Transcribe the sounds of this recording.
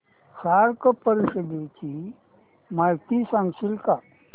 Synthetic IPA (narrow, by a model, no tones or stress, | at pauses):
saɾkəpəɾiʃəd̪et͡ɕi | majt̪isãŋɡsilka